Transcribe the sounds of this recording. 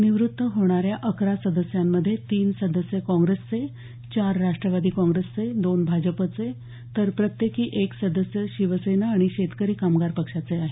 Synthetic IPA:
niʋɾut̪ːəɦoɽ̃aɾjaʔəkɾasəd̪əsjamːəd̪ʱːjet̪iːnsəd̪əsjəkɔ̃ŋɡɾest͡se | t͡ɕaɾːaʂʈɾəʋad̪iːkɔ̃ŋɡɾest͡sed̪onbʱad͡ʑəpət͡se | t̪əɾpɾət̪jekiːʔeksəd̪əsjəɕiʋəsenaːɽ̃iɕet̪kəɾiːkamɡaɾpəkʂat͡seaɦe

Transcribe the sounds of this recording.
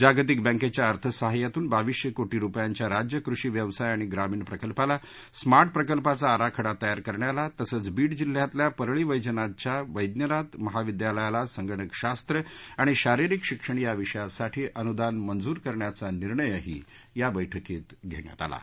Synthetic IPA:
d͡ʑaɡt̪ik̚bə̃ŋket͡ɕjaəɾt̪ʰəsəɦajat̪uːnbaʋiɕjəkoʈiːɾupjaɲt͡ɕjaɾad͡ʑjəkɾuʂiːʋjəʋsajaɽ̃iɡɾamiːɳpɾəkəlpala | smaɾʈ̚ʰpɾəkəlpat͡saːɾakʰəɽat̪ːəjaɾkəɾɳjalat̪əsəːt͡sbiːɽd͡ʑil̤ːjat̪ljapəɾɭiːʋəjd͡ʑənat͡ɕjaʋəjd̪njənat̪məɦaʋid̪jaləjalasəŋɡəɽəkɕast̪ɾəaɽ̃iɕaɾiɾikɕikʂəɳ̃ijaʋiʂəjasaʈʰiːʔənud̪anmənd͡zuːɾkəɾɳjat͡saniɾɳəjəɦḭː | jabəjʈʰəkiːt̪ɡʱḛɳ̃ja̰t̪a̰la̰

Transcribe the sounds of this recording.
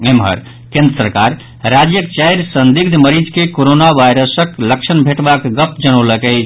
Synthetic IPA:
emɦə̰ɾ | kẽnd̪ɾəsəɾkaɾ | ɾad͡ʒjəkt͡ʃajɾsənd̪iɡ̚d̪ʱməɾid͡ʒkekoɾonaʋajɾəsəkləkt͡ʃʰənbʱeʈbakɡəpd͡ʒənəwləkə

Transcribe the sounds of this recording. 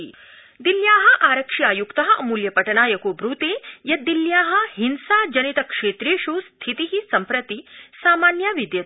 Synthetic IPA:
d̪iljaːɦɐ̆ʔaːɾɐkʂiaːjukt̪ɐɦɐʔɐmuːljɐpɐʈɐnaːjɐkoːbɾut̪eːjɐd̪iljaːɦɐ̆ɦinsaːd͡ʒɐnit̪ɐkʂeːt̪ɾeːʃuːst̪ʰit̪iɦisɐmpɾɐt̪isaːmaːnjaːʋid̪jɐt̪

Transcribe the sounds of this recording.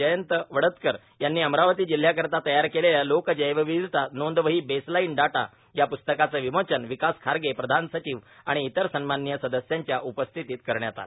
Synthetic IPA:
əjənt̪əʋəɽət̪kəɾ | janːiːəmɾaʋət̪iːd͡ʑil̤ːjakəɾt̪at̪əjaɾkeleljalokd͡ʑəjʋəʋid̪it̪anond̪ʋəɦiːbeslainɖaʈa̰ | japust̪əkat͡səʋimot͡ɕənʋikaskʰaɾɡepɾəd̪ʱansət͡ɕiːʋaɽ̃iːt̪əɾsənmanːjəsəd̪əsjaɲt͡ɕjaʔupəst̪ʰit̪iːt̪̚kəɾɳjat̪a̰t̪

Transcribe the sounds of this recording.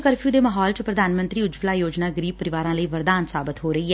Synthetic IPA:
kəɾpʰijuːd̪eːməɦɔːlt͡ʃəpɾəd̪ʱaːnmənt̪ɾiːʊd͡ʒplaːjoːd͡ʒnaːɡəɾiːbpəɾɪʋaːɾãːləiːʋəɾd̪aːnsaːbɪt̪ɦoːɾəiːɦɛː

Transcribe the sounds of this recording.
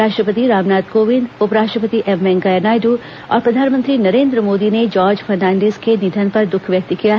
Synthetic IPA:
aːʃʈɾəpət̪iɾaːmnaːd̪koːʋɪ̃nd̪ʊpɾaːʃʈɾəpət̪iʔɛmɛ̃ŋɡɐjənaːɪɖu | ɔ̰ːɾpɾɐd̪ʱaːnmə̃nt̪ɾinɐɾẽːnd̪ɾəmoːd̪ined͡ʒɔːɾd͡ʒfʰɐɾnãːɳɖeːzkenɪd̪ʱənpɐɾd̪ʊkʰʋjɐk̚t̪ikijaɦ

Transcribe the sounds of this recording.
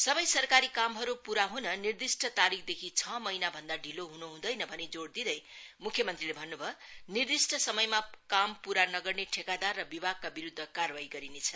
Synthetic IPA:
sʌbʌjsʌrkaɾikamɦʌɾupuɾaɦunʌnird̪isʈʰʌt̪aɾikʰd̪ekʰit͡sʰʌmʌinabʱʌnd̪aɖʱiloɦunuɦũd̪ʌjnʌbʱʌned͡zoɽd̪id̪ʌjmukʰjʌmʌnt̪rilebʱʌnːubʱʌnird̪isʈʰʌsʌmʌjmakampuɾanʌɡʌrneʈʰekad̪arːʌbibʱaɡ̚kabiɾud̪ʱːʌkarwaɦiɡʌɾinet͡sʰʌ

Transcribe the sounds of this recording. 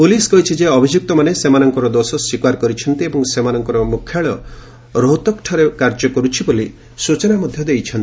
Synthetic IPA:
puliskɔɦit͡ʃʰid͡ʒeɔbʱid͡ʒuk̚t̪ɔmanesemanɔŋkɔɾɔd̪osɔswikwaɾkɔɾit͡ʃʰɔnt̪iebɔŋsemanɔŋkɔɾɔmukʰːjaɭɔ | ɾoɦt̪ɔkʈʰɔɾekaɾd͡ʒɔkɔɾut͡ʃʰiboli | sut͡ʃɔnamɔd̪ʱjɔd̪ejt͡ʃʰɔnt̪i

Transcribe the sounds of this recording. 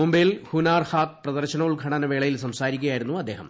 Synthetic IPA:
mumbejlhunaːrhaːt̪̚prɐðɐrɕɐnɐuɭɡʱɐɳɐnɐʋeːɭɐjilsɐmsaːɾikʲːujaːjiɾunːuɐd̪ːe̞ːɦɐm

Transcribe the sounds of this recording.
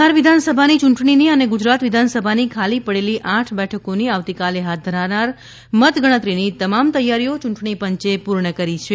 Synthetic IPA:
aɾʋid̪ʱansəbʱanit͡ʃuɳʈɳiniəneɡud͡ʒɾat̪ʋɪd̪ʱansəbʱanikʰalipəɽeliʔãʈʰbɛʈʰəkoniaʋt̪ikaleɦat̪̚d̪ʱəɾaʋnaɾ | mət̪ɡəɽ̃ət̪ɾinit̪əmamt̪əjːaɾiot͡ʃuɳʈɳ̃ipəɲt͡ʃepuɾɳəkəɾit͡ʃʰe

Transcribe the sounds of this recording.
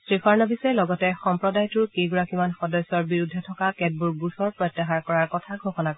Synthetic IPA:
sɹikʰɔɹnɔbisɛlɔɡɔtɛxɔmpɹɔdajtʊɹkeɡuɹakimanxɔdɔsɔɹbiɹudʱɛtʰɔkakɛd̚buɹɡusɔɹpɹɔjtːɛxaɹkɔɹaɹkɔtʰaɡʱoxɔnakɔ

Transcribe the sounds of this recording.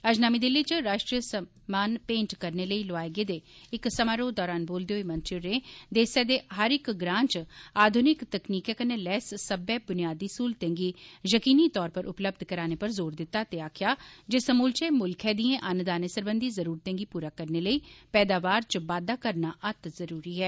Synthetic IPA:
əd͡ʒnaːmiːd̪ɪliːt͡ʃɾaːʃʈɾijəsə | maːnpẽːɳʈkəɾneːləiːloaːeɡeːd̪eːɪksəmaːɾoːd̪ɔːɾaːnboːld̪eoeːmə̃nt͡ʃɪɾẽːd̪eːsɛːd̪eːɦəɾɪkɡɾãːɲt͡ʃaːd̪ʱʊnɪkt̪əkniːkɛːkənːeːlɛːssəbɛːbʊnijaːd̪iːsuːlt̪ɛ̃ːŋɡiːjəkiːniːt̪ɔːɾpəɾʔʊpləb̚d̪ʱkəɾaːneːpəɾzoːɾd̪ɪt̪ːaːt̪eːaːkʰjaːd͡ʒeːsəmuːlt͡ʃeːmʊlkʰɛːd̪iẽːʔənʊd̪aːneːsəɾbənd̪iːzəɾuːɾt̪ɛ̃ːŋɡiːpuːɾaːkəɾneːləiːpɛːd̪aːʋaːɾt͡ʃʋaːd̪aːkəɾnaːʔət̪zəɾuːɾiːɦɛː

